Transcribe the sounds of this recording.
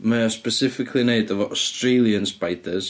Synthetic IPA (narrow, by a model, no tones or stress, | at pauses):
maspəsɪfɪkʰlˠineɨdəvɔɔstrelˠjənspajdəz̥